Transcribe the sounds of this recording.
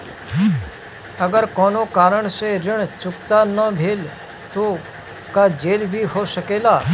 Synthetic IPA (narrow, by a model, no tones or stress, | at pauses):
əɡəɾkɔːnoːkaːɾəɳseɾɪɳ̃t͡ʃʊkt̪anəbʱeːl | t̪o | kad͡ʒeːlbʱiːɦoːsəkeːlaː